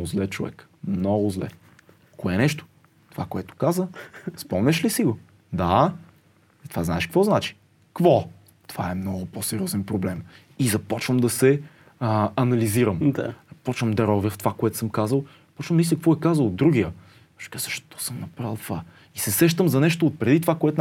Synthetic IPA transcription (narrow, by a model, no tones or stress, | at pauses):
ɡʊzlɛt͡ʃovɛ̰kmnɔɡʊzlɛ̰ | koɛnɛʃt̪ʊ̥ | t̪ova̰koɛt̪ʊ̥kazəspɔmnʲɛʃlisiɡo | d̪a | t̪ovazna̰ɛʃkvɔznat͡ʃi̥ | kvɔ | t̪o̥vaɛmnɔɡʊposɛɾiɔzɛnpɾoblɛm | izɐpɔt͡ʃvəmd̪ɐsɛ | ɐnɐliziɾəmd̪a̰ɐpɔt͡ʃvəmd̪ɐɾɔvʲəft̪ovakoɛt̪ʊ̥sɤmkazəlˠ | pɔt͡ʃvəmd̪isikvɔɛkazəlˠod̪ːɾuɡ̟iə | ɔʃkazəʃt̪o̥sɤmnɐpɾalˠt̪va | isɛsɛʃt̪əmzɐnɛʃt̪oːt̪̚pɾɛd̪it̪ovakoɛt̪ʊ